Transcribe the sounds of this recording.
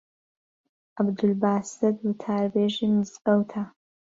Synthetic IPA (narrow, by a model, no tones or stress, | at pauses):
ʔɐbd̪ulbaːsɨd̪wut̪ʰaːɾbeːʒiːmɨzɡɐwt̪ʰa